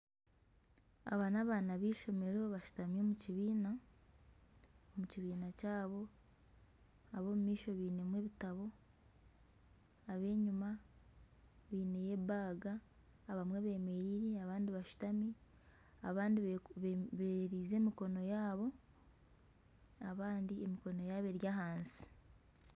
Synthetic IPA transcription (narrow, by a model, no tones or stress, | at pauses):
a̰βaːnaβaːnaβiːʃo̞me̞ɾeoβaʃu̥tamiomuciβiːna | omuciβiːnacaːβo̞ | aβo̞ːmumiːʃo̞βiːne̞mwe̞βitaβo̞ | aβe̞ːɲuma | βiːne̞je̞baːɡaː | βamweβe̞ːme̞ɾiɾeaβaːndiβaʃu̥tami | aβaːndieββeɾiːze̞ːmiko̞no̞jaːβo̞ | aβaːndiemiko̞no̞jaːβe̞ɾjaɦaːnsi̥